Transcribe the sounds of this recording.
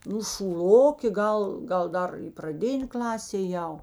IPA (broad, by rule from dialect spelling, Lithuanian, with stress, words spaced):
ˈnʊ ʃuːˈlˠoːkʲeː ˈɡɐlˠ ˈɡɐlˠ ˈdɐr prɐˈdʲɪnʲeː ˈklˠɑːsʲeː eːˈjɛʊ